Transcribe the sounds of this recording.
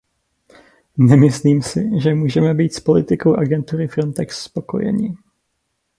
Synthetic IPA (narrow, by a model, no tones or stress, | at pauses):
nɛmɪsliːmsɪʒɛmuːʒɛmɛbiːt̪spo̞lɪt̪ɪko̞wʔaɡɛnt̪uɾɪfɾo̞nt̪ɛksːpo̞ko̞̰jɛ̰ɲɪ